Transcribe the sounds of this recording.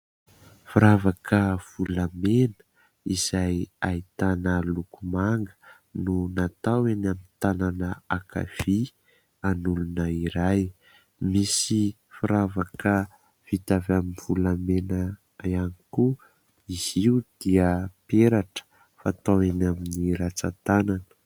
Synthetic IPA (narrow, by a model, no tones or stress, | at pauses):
fiɾavakəv̥ulamenə̥ | iz̥ajait̪anəlukumaŋɡə̥ | nunat̪awenamint̪ananəaka̰v̥i | anulunəiɾaj | misi | fuɾavakə | v̥it̪avaminv̥ulamenə | janiku | iziud̪̥iəpeɾaʈ͡ʂə̥ | fat̪awenaminiɾat͡sat̪ananə̥